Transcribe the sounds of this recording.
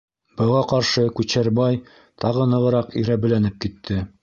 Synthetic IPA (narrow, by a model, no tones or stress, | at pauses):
b̥ɤ̆ʁɑqɑɾʃɤkʉt͡ɕæɾbɑj | t̪ʰɑʁɤnɤ̆ʁɤ̆ɾɑqiɾæbɘ̆lænɘp̚kit̪ʰːɘ